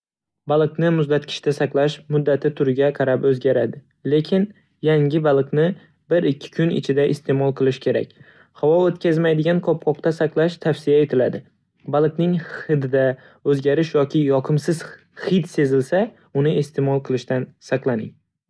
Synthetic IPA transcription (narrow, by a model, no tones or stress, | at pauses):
balˠɨqnɪmʊzd̪at̪kʲʰɪ̥ʃt̪asɑqlˠaʃmʊd̪ːat̪ʰɪt̪ʰʊɾɪɡʲaqʰɑɾapɵzɡʲaɾad̪ɪ | le̞kʲʰɪn | jaŋʲɪbalˠɨqnɪ | bɪɾɪkʲʰːɪ̥kʰʊnɪ̰t͡ʃʰɪd̪aʔɪst̪ʰe̞mɒlˠqʰɨlˠɪʃkʲʰe̞ɾa̰kʲ | havɒot̪kʲʰazmajd̪ɪɡʲankʰɒp̚qʰɒqt̪asɑqlˠaʃt̪ʰafsɪjae̞t̪ʰɪlad̪ɪ | balˠɨqnɪŋχɨd̪d̪a | ɵzɡʲaɾɪʃjɒkʲɪjɒqʰɨmsɪz̥ | χɪt̪se̞zɪlsa | ʊnɪest̪ʰe̞mɒlˠqʰɨlˠɪʃt̪ansɑqlˠanɪŋ